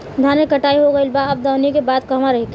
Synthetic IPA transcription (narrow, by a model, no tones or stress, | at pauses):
d̪ʱaːnekəʈaːiɦoɡəilbaɐb̚d̪aːʊnikebaːd̪kɐɦmaɾɐɦekː